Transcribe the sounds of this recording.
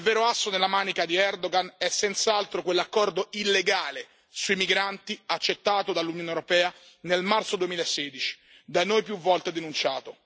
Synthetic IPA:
ilvɛːɾoasːonelːamaːnikad̪iɛrd̪oɡanɛsːent̪saalt̪ɾokwelːakːɔrd̪oilːeɡaːle | suimiɡɾant̪iat͡ʃːet̪ːaːt̪od̪alːunjoːnewɾopɛːa | nelmart̪sod̪uemiːlaesːeːd̪it͡ʃi̥ | d̪anojpjuvːɔlt̪ed̪enunt͡ʃaːt̪o

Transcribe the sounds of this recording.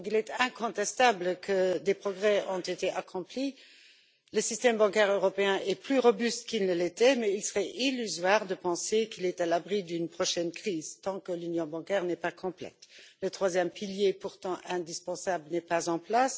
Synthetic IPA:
kilɛt̪ɛ̃kɔ̃t̪ɛst̪abləkʰəd̪epχɔɡʁɛɔ̃t̪et̪eʔakʰɔ̃pli | ləsist̪ɛmbɑ̃kɛʁøʁɔpeɛ̃ʔɛplyʁɔbyst̪kilnəlet̪ɛmɛilsəʁɛʔilyzwaʁd̪əpɑ̃sekilɛt̪alabʁid̪ynpχɔʃɛnkχiːzt̪ɑ̃kəlynjɔ̃bɑ̃kɛʁnɛpakɔ̃plɛ̰t̪lət̪χwazjɛmpiljepuʁt̪ɑ̃ʔɛ̃d̪ispɑ̃sablənɛpazɑ̃plas

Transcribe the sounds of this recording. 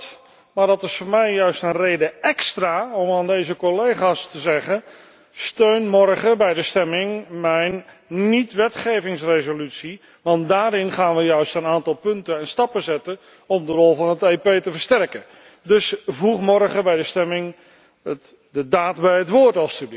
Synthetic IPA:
maːɹdɑtɪsfʊːɹmɛjjœɥstənrejdəɛkstraːɔmaːndejzəkɔlejχaːstəzɛχən | støɥnmɔrχəbɛjdəstɛmɪŋmɛjn | nitʋɛtχejvɪŋsrezolytsi | ʋɑntdaːɾɪnχaːnʋəjœɥstənaːntɑlˠpɵntəənstɑpəzɛtən | ɔmdərɔlˠvɑnɦətejpejtəvəɹstɛrkə | dɵsvuχmɔɹχəbɛjdəstɛmɪŋ | ət | dədaːtbɛjɦətʋʊːɹtɑlˠstyb

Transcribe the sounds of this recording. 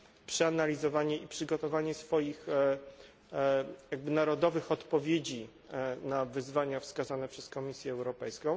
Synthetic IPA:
pʂɛanalʲizɔvaɲɛipʂɘɡɔt̪ɔvaɲɛsfɔjix | jaɡ̚bɘnaɾɔd̪ɔvɘxɔt̪pɔvʲjed͡ʑi | navɘzvaɲafskazanɛpʂɛskɔmʲisʲjɛːwɾɔpɛjskɔ̃w̃

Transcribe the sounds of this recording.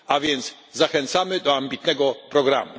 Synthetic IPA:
avʲjɛnt̪s | zaxɛnt̪samɘd̪ɔambʲit̪nɛɡɔpɾɔɡɾa̰mu

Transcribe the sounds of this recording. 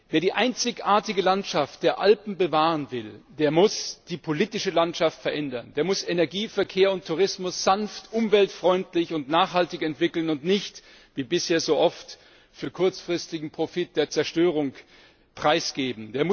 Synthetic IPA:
veːɐɾiːʔaɪnt͡sɪçʔaːɐtɪɡəlantʃaft̚d̥eːɐʔalpm̩bəvaːʁənvɪld̥eːɐmʊsd̥iːpʰoliːtɪʃəlantʃaftfɛɐʔɛndɐndeːɐmʊsenɛɐɡiːfɛɐkʰeːɐʊntʰːuʁ̞ɪsmʊsz̥anftʔʊmvɛltfʁ̥ɔʏntlɪçʊntnaːχhaltɪçɛntv̥ɪkl̩nʊntnɪçt | viːbɪsheːɐzoːʔɔft | fyːɐkʰʊɐt͡sfʁ̥ɪstɪɡŋ̩pʁ̥ofɪt̚d̥eːɐt͡sɛɐʃtøːʁ̞ʊŋ | pʁ̥aɪsɡ̥eːbm̩deːɐmʊ

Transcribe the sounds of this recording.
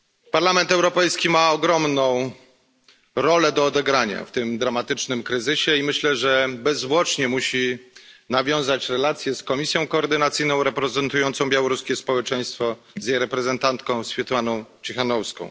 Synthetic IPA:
paɾlamɛnt̪ɛwɾɔpɛjskʲimaɔɡɾɔmnɔ̃w̃ | ɾɔlɛd̪ɔːd̪ɛɡɾaɲa̰ft̪ɘmd̪ɾamat̪ɘt͡ʂnɘmkɾɘzɘɕɛimɘɕlɛʐɛbɛzvwɔt͡ʂɲɛmuɕinavʲjɔ̃w̃zat͡ɕɾɛlat̪sʲjɛskɔmʲisʲjɔ̃w̃kɔːɾd̪ɘnat̪sɘjnɔ̃w̃ɾɛpɾɛzɛnt̪ujɔnt̪sɔ̃w̃bʲjawɔɾuskʲɛspɔwɛt͡ʂɛj̃st̪fɔ | zjejɾɛpɾɛzɛnt̪ant̪kɔ̃w̃sfʲjɛt̪manɔ̃w̃t͡ɕixanɔfskɔ̰̃w̃

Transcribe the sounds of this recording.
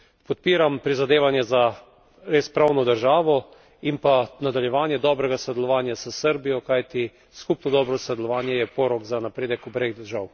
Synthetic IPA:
pɔt̪̚piːɾampɾizad̪eːʋanjɛza | ɾeːspɾawnɔd̪əɾʒaːʋɔ | impanad̪aljɛʋaːnjɛd̪ɔːbɾɛɡasod̪ɛlɔʋaːnjasəsəɾbijɔkajt̪i | skupnɔd̪ɔːbɾɔsɔd̪ɛlɔʋaːnjɛjɛpɔːɾɔɡzanapɾeːd̪ɛkubɾeːɣd̪əɾʒaw

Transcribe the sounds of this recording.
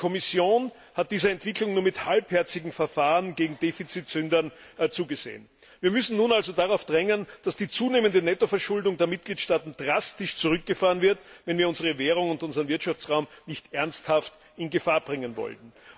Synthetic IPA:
kʰɔmɪsjoːn | hat̚d̥iːzəɛntv̥ɪklʊŋnuːɐmɪthalphɛɐt͡sɪɡŋ̩fɛɐfaːʁənɡeːɡŋ̩d̥eːfit͡sitsʏndɐn | t͡suːɡəzḛːən | viːɐmʏsn̩nuːnalzodaʁaʊfd̥ʁɛŋənd̥asd̥iːt͡suːneːməndənɛtofɛɐʃʊldʊŋdeːɐmɪt̚ɡ̥liːtʃtaːtn̩d̥ʁastɪʃt͡suʁʏk̚ɡ̥əfaːʁənvɪɐtvɛnviːɐʊnzəʁ̞əveːʁ̞ʊŋʊntʊnzəʁɐənvɪɐtʃaft͡sʁaʊmnɪçtʔɛɐnsthaft | ɪnɡəfaːɐb̥ʁɪŋənvɔ̰ltn̩

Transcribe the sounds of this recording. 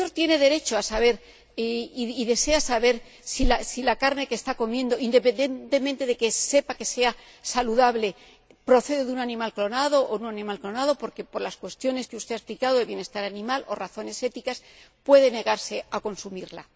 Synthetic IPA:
o̞ɾt̪je̞ne̞ðe̞ɾe̞t͡ʃoasaβe̞ɾ | iðe̞se̞asaβe̞ɾ | silasilakaɾne̞kest̪ako̞mjẽ̞nd̪o̞ind̪e̞pe̞nd̪ent̪e̞mẽnt̪e̞ðe̞ke̞se̞pake̞se̞a | saluðaβle̞ | pɾo̞θe̞ðeðunanĩmalklo̞naðo̞ʔounanĩmalklo̞nað̞o̞po̞ɾke̞po̞ɾlaskwe̞st̪jo̞ne̞skeust̪e̞asplikaðo̞ðeβje̞ne̞st̪aɾanĩmalʔo̞̰raθo̞ne̞se̞t̪ikas | pwe̞ð̞e̞ne̞ɣaɾse̞ako̞nsumiɾla̰

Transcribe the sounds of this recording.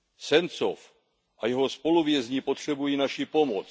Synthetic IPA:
sɛnsof | ʔajɛɦospo̞luvjɛzɲiːpot̪r̝̥ɛbujiːnaʃipo̞mot͡s

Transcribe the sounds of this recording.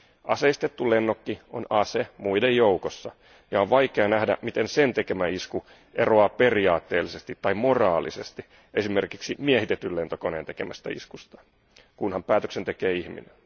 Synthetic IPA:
ʔɑ̰seist̪et̪ːulenːokːio̰nɑsemuidejjoukosːɑ | jɑoʋʋɑjke̞ɑnæhdæ̰mit̪e̞nsent̪eke̞mæisku | ʔe̞roɑːpe̞riɑːt̪ːe̞ːlːisest̪it̪ːɑimo̞rɑːlise̞st̪i | ʔe̞sime̞rkiksimiehit̪et̪ːyle̞nt̪okoneːnt̪e̞ke̞mæst̪æ̰ḭskust̪ɑ̥ | kunhɑmpæːt̪øksent̪e̞keːiçmḭnen

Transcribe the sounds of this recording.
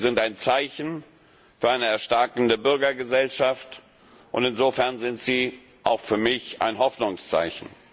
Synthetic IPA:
zɪntaɪnt͡saɪçn̩ | fyːɐʔaɪnəɛɐʃtaɐkn̩dəbʏɐɡɐɡəzɛlʃaft | ʔʊntɪnzoːfɛɐnzɪntz̥iː | ʔaʊxfyːɐmɪçʔa̰ɪnɦɔfnʊŋst͡sa̰ɪçn̩

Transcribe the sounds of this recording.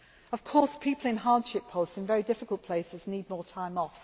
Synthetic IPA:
əv̥kʰɔˑspʰiˑpʰəlˠɪ̃nɦɑːd̥ʃɪpʰəʊstsɪ̃nvɛɹidɪfɪkəlˠʔpʰl̥eɪsɪzniːd̚mɔːtʰãɪ̃mɒf

